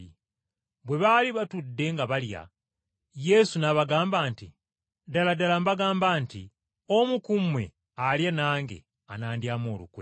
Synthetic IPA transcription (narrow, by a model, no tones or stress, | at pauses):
i | βwe̞βaliβatudːe̞ŋɡaβalja̰ | je̞sunaβaɡaːmbaːnti | daladalambaɡaːmbaːnti | omukumwe̞̰ | aljanaːŋɡe̞̰ | anaːndjaːmoːlṵkwe̞̰